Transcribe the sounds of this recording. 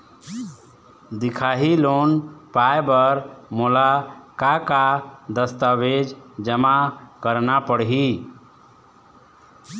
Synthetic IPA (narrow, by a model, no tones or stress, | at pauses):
d̪ikʰaɦilonpaebəɾmolakakad̪əst̪aʋed͡ʒd͡ʒəmakəɾnapəɽɦi